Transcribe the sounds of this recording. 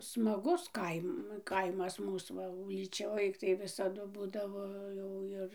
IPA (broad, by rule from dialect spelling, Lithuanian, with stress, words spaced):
smɐˈɡʊs ˈkɐɪm ˈkɐɪmɐs ˈmuːs ʋɐ uːlʲiːˈt͡ʃʲoːj tɐɪ ʋʲɪsɐˈdʊ ˈbuːdɐʋoː jɛʊ ˈɪr